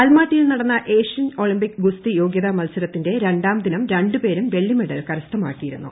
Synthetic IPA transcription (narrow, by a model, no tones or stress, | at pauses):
ɐlmaːʈːijilnɐɽɐnːɐʔe̞ːʂɐno̞ɭimbikːɨɡust̪ijo̞ːɡjɐðɐmɐlsɐɾɐt̪ːinde̞ɾe̞ɳɖaːmd̪inɐmɾe̞ɳɖɨpe̞ːɾumʋe̞ɭːjimiɽɐlkɐɾɐst̪ɐmaːkːijiɾunːṵ